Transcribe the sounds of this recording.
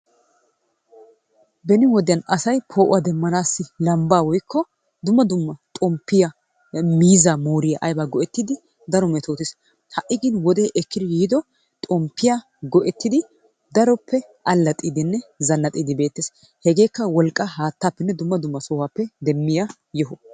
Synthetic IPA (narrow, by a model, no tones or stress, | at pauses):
bɛnɪwɔd̪ɪjɐnɐsɐjpʰoːʔʊwad̪ɛmːɐnaːsːɪlɐmbaːwɔjkːɔ | d̪ʊmːɐd̪ʊmːɐt̪ʼɔmpːɪjɐ | miːzamoːɾɪjɐʔɐjbaɡɔʔɛt̪ːɪd̪ɪ | d̪ɐɾɔmɛt̪oːt̪ɪs | hɐʔɪɡɪnwɔd̪eːʔɛkːɪd̪ɪjiːd̪ɔ | t̪ʼɔmpːɪja | ɡɔʔɛt̪ːɪd̪ɪ | d̪ɐɾɔpʰːɛ | ʔɐlːɐt̪ʼiːd̪ɪnːɛzɐnːɐt̪ʼiːd̪ɪbe̞ːt̪ːeːs | hɛɡe̞ːkːɐwɔlkʼːɐɦaːt̪ːaːpːɛnːɛd̪ʊmːɐd̪ʊmːɐsɔwaːpːɛd̪ɛmːɪja | jɔɦʊ